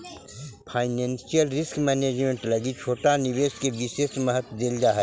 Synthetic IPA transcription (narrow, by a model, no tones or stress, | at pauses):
pʰaːɪnɛ̃ːnsijəlɾɪskmɛːneːd͡ʒmẽɳʈləɡit͡ʃʰoːʈanɪʋeːskeʋɪseːsməɦət̪d̪eːld͡ʒaːɦɛ